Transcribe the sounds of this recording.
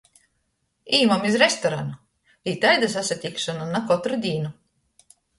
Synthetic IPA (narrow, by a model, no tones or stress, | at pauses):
iːmamizɾest̪ɔɾanu | iːt̪ajd̪asasat̪ʲikʃɔnanakɔt̪ɾud̪ʲiːnu